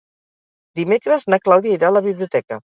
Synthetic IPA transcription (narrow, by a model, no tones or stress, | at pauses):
d̪imekɾəznaklawðiaiɾaləβiβliut̪ɛkə